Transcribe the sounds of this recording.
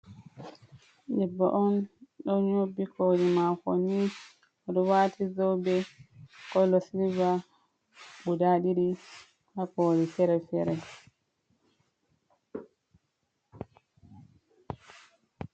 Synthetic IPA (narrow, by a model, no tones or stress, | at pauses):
ɗɛbːɔ̰ʔɔnɗɔɲobikʰoɗimafoni | ɔɗɔwaːtʰizɔwbɛkɔlɔsilva | ɓudaɗiɾi | hakɔɾifɛɾɛfɛɾɛ